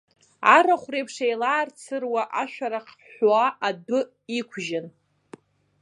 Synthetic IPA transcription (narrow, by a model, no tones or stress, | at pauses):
aɾaχʷrejpʰʂejlaːrt͡sʰɨrwaʔaʃᶣaɾaqʰ | ħaʔadʊ | ikʷʰʒɪn